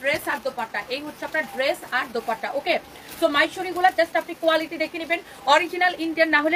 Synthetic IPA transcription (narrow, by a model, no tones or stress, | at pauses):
ɾesaɾd̪opaɾʈaʔejɦut̪ːʰeapnaɾɖɾesaɾd̪opaɾʈaʔoke | somajʃoɾiɡulaɾd͡ʑasʈapnikoaliʈid̪ekʰeniben | ɔɾid͡ʑinaliɳɖianːaɦole